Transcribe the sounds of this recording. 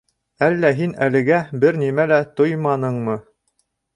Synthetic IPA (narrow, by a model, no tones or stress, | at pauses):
ælːæɦinælɘ̆ɡæbɘɾnimælæt̪ojmɑnɤɴmɤ